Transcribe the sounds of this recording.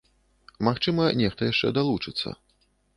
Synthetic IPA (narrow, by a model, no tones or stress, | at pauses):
maxt͡ʂɨmɐnʲɛxt̪ɐjaʂt͡ʂɛ̰d̪alˠut͡ʂɨt̪sːɐ̰